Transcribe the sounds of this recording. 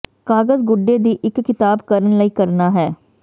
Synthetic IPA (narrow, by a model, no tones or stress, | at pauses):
kaːɡəzɡʊɖːeːd̪iːʔɪkːɪt̪aːbkəɾənləiːkəɾnaːɦɛː